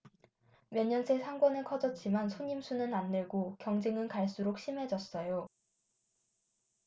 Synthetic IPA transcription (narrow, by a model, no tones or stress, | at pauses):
mjʌnɲːʌnsʰe̞sʰaŋɡwʌnɯkʰʌd͡ʑʌt̚t͡ɕ͈imansʰoɲimsʰunɯnandɯɭɡokjʌŋd͡ʑeŋɯnkaɭs͈uɾok̚ɕ͈ʰimɦe̞d͡ʑʌs͈ʌjo